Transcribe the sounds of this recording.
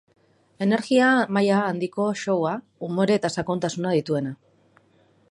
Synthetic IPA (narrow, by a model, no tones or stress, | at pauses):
e̞ne̞ɾɣiamajaːnd̪iko̞ʃo̞wa | umo̞ɾeːt̪asako̞nt̪asunað̞it̪ue̞na